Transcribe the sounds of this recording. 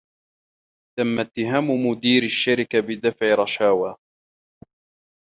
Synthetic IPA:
t̪amːat̪ːɪɦaːmʊmʊd̪iːɾaʃːaɾɪkabɪd̪afʕɪɾˤɑʃaːwaː

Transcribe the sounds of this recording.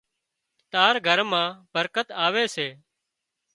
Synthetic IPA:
t̪aːɾɡʱəɾmãːbəɾkət̪aːʋeːseː

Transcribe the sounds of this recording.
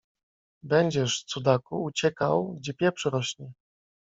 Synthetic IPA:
bɛɲd͡ʑɛʂt̪sud̪akuut͡ɕɛka̰wɡd͡ʑɛpʲjɛpʂɘɾɔɕɲɛ

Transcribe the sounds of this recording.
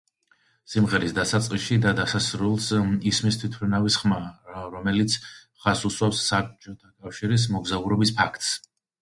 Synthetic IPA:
simʁɛɾisd̪asat̪sʼqʼiʃid̪ad̪asasɾulˠsismist̪ʰwit̪ʰpʰlinavisχmaɾɔmɛlit̪sʰ | χasuswapsːap̚t͡ʃʰʼɔt̪ʰakʼafʃiɾis̬mɔɡzauɾɔbispʰakʰt̪ʼs

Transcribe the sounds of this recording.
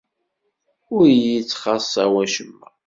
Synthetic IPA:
ʊɾjit͡sːχɑsˤːæwæʃəmːæ

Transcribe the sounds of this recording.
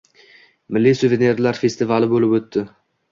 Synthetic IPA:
mɪlːisʊvene̞ɾlaɾfe̞st̪ɪvalɪbolɪpɵt̪ːɪ

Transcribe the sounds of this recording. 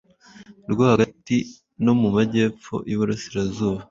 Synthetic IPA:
ɾɡahaɡati | no̞mumaɟe̞ːp͡fo̞̰juβuɾasiɾazuːβa

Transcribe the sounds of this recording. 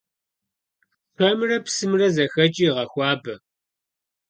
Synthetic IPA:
pʰɐmrɐpsɨmrɐzɐxɐt͡ʃʼiːʁɐxʷɑːbɐ

